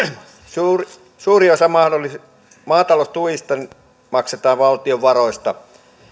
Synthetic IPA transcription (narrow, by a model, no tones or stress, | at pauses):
suːri | suːriosɑmɑhdolis | mɑːt̪ɑlost̪ujist̪ɑni | mɑkset̪ɑːʋʋɑlt̪ioʋʋɑroist̪ɑ